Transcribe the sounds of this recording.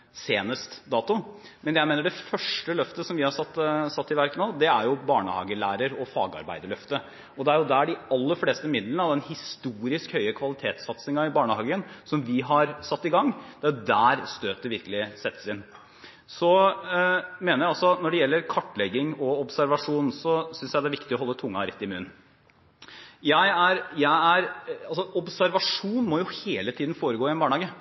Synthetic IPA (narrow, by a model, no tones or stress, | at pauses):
seːnəst̪d̪ɑːt̪ʊ | mɛnjæɪmeːnəɖɛfœʂʈəlœft̪əsɔmʋɪhɑɾsɑt̪ːsɑt̪ːɪʋæɾkənoːd̪ɛæɾjʊbɑːɳə̰hɑ̰ːɡəɭæːɾəɾɔfɑ̰ːɡɑ̰ɾbæ̰ɪd̪əɭœft̪ə | ɔd̪ɛæɾjʊd̪ææɖɪɑlːəɾfleːst̪əmɪd̪lənəɑʋd̪ɛnhɪst̪uːɾɪskhœʏəkʰʋɑlɪt̪ʰeːt̪sɑt̪snɪŋɑɪbɑːɳəhɑːɡəənsɔmʋɪɦɑɾsɑt̪ːɪɡɑŋːd̪̥ɛæjʊd̪æːɾst̪øːt̪̚d̪ɛʋɪɾkəlɪsɛt̪ːə̥sɪn | sɔ | meːnəɾjæɪɑlsɔt̪nɔɖɛjɛlːəɾkʰɑʈːɭɛɡːɪŋɔɔbsæɾʋɑʂuːnsɔsʏnsjæɪd̪ɛæɾʋɪkt̪ɪɔɦɔlːət̪ʰʊŋːɑ̰ɾɛ̰t̪ːɪmʉ̰ːn | jæɪæɾjæɪæɾɑlsɔʔɔbsæɾʋɑʂuːnmɔjʊheːlət̪ʰiːd̪n̩foːɾəɡoːɪɛnbɑːɳəɑːɡə